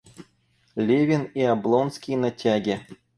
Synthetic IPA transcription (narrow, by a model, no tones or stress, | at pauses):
lʲevʲɪniablˠonskʲijnatʲaɡʲɪ